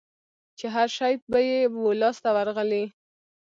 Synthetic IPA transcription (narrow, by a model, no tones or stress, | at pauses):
t͡ʃeɦaɾʃɑjbajewolɑst̪awaɾɣəli